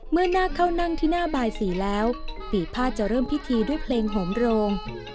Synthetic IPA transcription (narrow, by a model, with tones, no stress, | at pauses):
mɯ˥˩ɐnaː˥˩kʰa˦˥˩wna˥˩ŋt̪ʰiː˥˩naː˥˩baː˧jsiː˩˦lɛː˦˥wpiː˨˩t̪̚pʰaː˥˩t̪̚t͡ɕa˨˩ɾɤː˥˩mpʰi˦˥t̪ʰiː˧du˥˩jpʰleː˧ŋɦo˩˦mɾoː˧ŋ